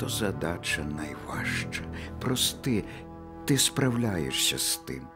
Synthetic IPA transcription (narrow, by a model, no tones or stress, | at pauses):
t̪ɔzɐd̪at͡ʃɐnɐjʋa̰ʃt͡ʃɐpɾɔst̪ɪ | t̪ɪspɾɐwlʲajḛʃsʲɐ̰st̪ɪ̰m